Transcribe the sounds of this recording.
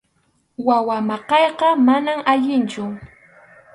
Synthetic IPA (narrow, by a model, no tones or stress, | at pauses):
wawamɑqɑjqɑmanamaʎɪnt͡ʃʊ